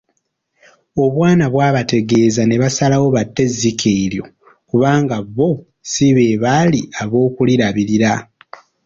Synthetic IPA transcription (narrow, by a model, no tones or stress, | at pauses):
o̞βwaːnaβwaːβate̞ɡe̞ːzane̞βasalawo̞βatːe̞zːikʰeiljo̞̰ | kuβaːŋɡaβːo̞ | siβe̞βaliaβo̞ːkuliɾaβiɾiɾa